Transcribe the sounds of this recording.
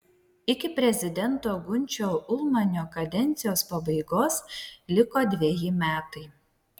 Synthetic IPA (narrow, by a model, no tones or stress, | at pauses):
ɪkʲɪpʲɾʲɛzʲɪd̪ʲɛnt̪oːɡʊnʲˑt͡ʃʲoːʊlˠmɐnʲoːkɐd̪ʲɛnʲt̪sʲɪjoːspɐbɐɪɡoːslʲɪkoːd̪ʲʋʲiɛjɪmʲæːt̪ɐɪ